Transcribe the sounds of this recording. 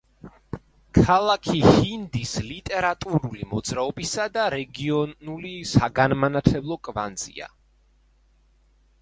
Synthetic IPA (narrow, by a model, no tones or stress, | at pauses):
kʰalˠakʰihind̪islit̪ʼɛɾat̪ʼuɾulimɔd̪z̥ɾaɔbisad̪aɾɛɡiɔnulisaɡanmanat̪ʰlɛblˠɔkʼva̰nd̪z̥ḭa̰